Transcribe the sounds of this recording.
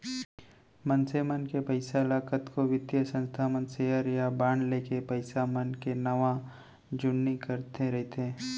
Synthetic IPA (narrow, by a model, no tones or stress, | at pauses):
mənsemənkepəɪsalaːkət̪koʋɪd̪jəsə̃nst̪ʰamə̃nseːɦəɾjabaːɳɖleːkepɐɪsamənkenɐʋã | d͡ʒʊnːikəɾt̪ʰeɾɐɦet̪ʰẽː